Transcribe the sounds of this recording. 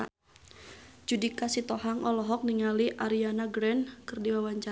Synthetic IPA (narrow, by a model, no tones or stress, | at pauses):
d͡ʒudikasit̪ɔɦaŋɔlɔɦɔk̚niŋaliʔaɾianaɡɾɛnkɨrdiwawaɲt͡ʃa